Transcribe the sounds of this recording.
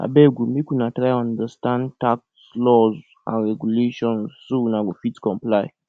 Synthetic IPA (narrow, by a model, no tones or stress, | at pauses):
a̰bɛɡumikunatɾajɔ̃ndəstãndtakslɔz | ã̰nɹɛɡuleʃɔ̃nzːunaɡofitkɔ̃mplaɪ